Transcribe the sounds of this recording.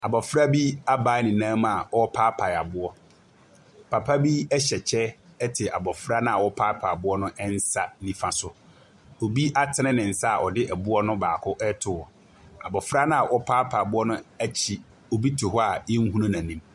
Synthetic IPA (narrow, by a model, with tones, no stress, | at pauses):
a˨bɔ˨fɾa˦bi˦a˦baː˨˦nɪ̃˨nãː˦ma˨wɔ˦pʰaː˦pʰa˨a˨bʊ˦ɔ˦ | pʰa˨pʰa˦bi˦ɛ˦ɕɛ˨t͡ɕʰɛ˦ɛ˦tʰɪ˨ʔa̰˨bɔ˨fɾa˦nã˦˨a˨wɔ˦pʰaː˦pʰa˨a˨bʊ˦ɔ˦nʊ̃˦ʔɛ˦n̩˦sa˦nĩ˨fã˨sʊ˦ | o˨bi˦ʔa˦tʰɪ˦nɪ̃˦nɪ̃˨n̩˨sa˦a˨ʔɔ˨dɪ˦ʔɛ˨bʊ˦ɔ˦nʊ̃˦baː˨kʰʊ˦ʔɛ˦tʰʊ˨wɔ˨ | a˨bɔ˨fɾa˦nʊ̃˦a˨ʔɔ˦pʰaː˦pʰa˨a˨bʊ˦ɔ˦nʊ̃˦æ˦t͡ɕʰi˨ | o˨bi˦tʰʊ˨ɦɔ˦a˨ɪ˦ŋ˦ɦũ˦nã˦nã˨nĩ˦m